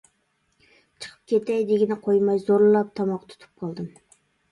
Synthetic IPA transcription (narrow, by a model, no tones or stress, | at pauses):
t͡ʃʰə̥qʰə̥p̚kʲʰet̪ɛjd̪eɡʲɪnɪqʰojmɑjzoɾlˠɨlˠɑp̚t̪ʰɑmɑqt̪ʰu̥t̪ʰu̥p̚qʰɑlˠd̪ɨm